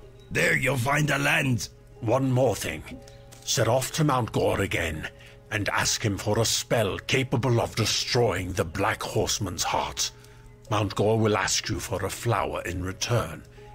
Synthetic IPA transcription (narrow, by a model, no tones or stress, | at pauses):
ðə˞julˠfãɪ̃ndəlæ̃nd | wʌ̃nmɔɹθɪ̰̃ŋ | sɛɾɔftʰɨmãʊ̃nɡ̥ɔɹɨɡɛ̃n | ɨ̃næ̰skhɨ̃ɱfə˞əspɛlˠkʰeɪpəbəl̩ˠʌvdɨstɹ̥ɔɪɪ̃ŋðəblækhɔɹsmə̃nz̥hɑ̰ɹt | mãʊ̃nɡ̥ɔɹwɪlˠæ̰skjɨfə˞əfla̰ʊə̰˞ʔɪ̃nɹɨtʰɜ̃˞n